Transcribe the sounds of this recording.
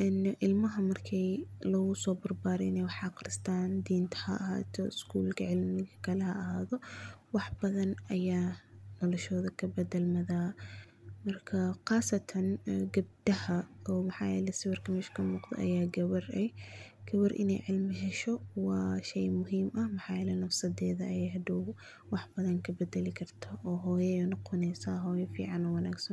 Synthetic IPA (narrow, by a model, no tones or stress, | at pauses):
ʔɛnʔɪlmɐɦɐmɐrkʰɛjlɔɣʊsɔːbɐrbaːɾɛɪnɛwɑħɑqɾɪst̪ʰaːnd̪iːnt̪ʰɐ̥hɐ̰ʔɐha̰ːt̪ʰɔ̰ɪskʰuːlkʰɐʕɪlmɪɣɐkʰɐlɛhɐʔɐhaːðɔwɑħbɐðɐnʔɐjaːnɔlɔʃɔːðɐkʰɐbɐdɛlmɐðaː | mɐrkʰɐqɑːsɐt̪ʰɐnɡɐb̚d̪ɐhɐɔːmɐħɑ̰ːjɛ̰ːlɛsɪwɐrkʰɐmɛʃkʰɐmuːqd̪ɐ̰ʔɐ̰jaːɡɐβɐrɛj | ɡ̥ɐβɐrʔɪ̰nɛ̰jʕɪlmɪʃɛʃɔwɑːʃɛjmʊɦiːmɐhmɐħɑːjɛːlɛnɐfsɐd̪ɛːðɐɐjɛːjɦɐd̪ɔw | wɑħbɐðɐŋkʰɐbɛd̪ɛlɪkʰɐrt̪ʰaʔɔːɦɔːjɛjnɐqʰʊnɛːsaːɦɔːjɐfḭːʕɑnɔːwɐnaːɡsɐn